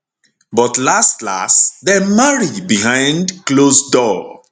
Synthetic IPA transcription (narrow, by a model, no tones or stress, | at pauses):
bɔtlastla̰stdɛmaɹibiɦãɪ̃ndklosdɔ